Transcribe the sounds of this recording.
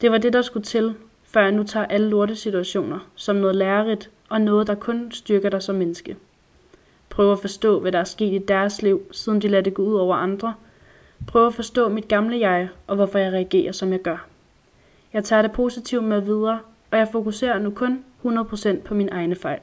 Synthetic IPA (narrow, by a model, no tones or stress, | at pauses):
d̥e̝ʋɑ̈d̥e̝dɑ̈sɡ̥ut͡sʰe̝l | fɶɐ̰jɑ̈ɪnut͡sʰɑ̰̈ːʔæləloɐɾəsit͡sʰuæɕo̝̰ːnɐsɒ̽mneð̞ˠlæːɐʁid̥ | ʔɒ̽nɔ̽ːð̞̩ˠd̥ɑ̈kʰɔ̽nsd̥yɐɡ̥ɐɾ̥ɑ̈ɪsɒ̽mːenəsɡ̥ə | pʰʁœːʊɐæfɒ̽sd̥ɔ̰̽ːʋæɾɑ̈æɐsɡ̥e̝̰ːd̥id̥æɐsliʊ̰sið̞ˠn̩d̥ilæd̥əɡ̥ɔuð̰ˠɒʊ̰ɐʔɑ̈nd̥ʁɐ | pʰʁœːʊæfɒ̽sd̥ɔ̰̽ːmid̥̚ɡ̥ɑ̈mləjɑ̈ɪʔɒ̽ʋɒfɒ̽jɑ̈ɪʁɛæɡ̥e̝̰ːɐsɒ̽mjɑ̈ɪɡ̥ɶɐ | jɑ̈ɪt͡sʰɑ̰̈ɾ̥e̝pʰo̝ːsit͡sʰiʊdmeðˠʋið̞ˠɐː | ɒ̽jɑ̈ɪfo̝kuse̝̰ːɐnukʰɔ̽nhunɐðˠpʰʁo̝sen̰d̥̚pʰɒ̽minʔɑ̈ɪnəfɑ̈ɪ̰l